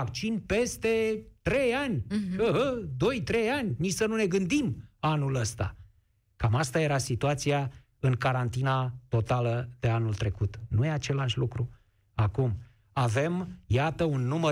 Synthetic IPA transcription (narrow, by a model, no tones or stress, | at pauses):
ak̚t͡ʃinpe̞st̪e̞t̪ɾe̞janʲəɦəd̪o̞jt̪ɾe̞janʲnisənune̞ɡɨnd̪imanuləst̪a̰ | kamast̪aje̞ɾasit̪uat̪sija | ɨŋkaɾant̪inat̪o̞t̪aləd̪̥e̞anult̪ɾe̞kut̪nujeat͡ʃe̞laʃʲlukɾu | akum | ave̞mjat̪əunːumə